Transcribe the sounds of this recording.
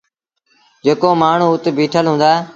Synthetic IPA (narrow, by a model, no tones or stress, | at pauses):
d͡ʒeːkoːmaːɳ̤ũːʊt̪bʱiːʈʰəlɦũːnd̪aː